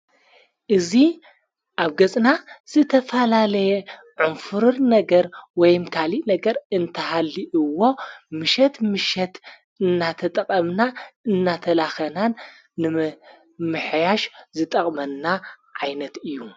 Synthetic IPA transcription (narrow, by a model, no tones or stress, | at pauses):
ʔɨzi | ʔaβɡɐt͡sʼnaz̥ɨt̪ʰɐfɐlalɐjɛ | ʕunfɨɾɨɾnɐɡɐɾwɔjmkʰaliʔnɐɡɐɾɨnt̪ʰɐhalːiʔɨwːo̞mɨʃɛt̪mɨʃɛt̪ | ɨnːat̪ʰɐt̪ʼɐqʼɐmnaɨnːat̪ʰɐlaxɐnanː | ɨ | mɨħjaʃzɨt̪ʼɐχʼmɐnːa | ʕajnɐt̪ɨjːu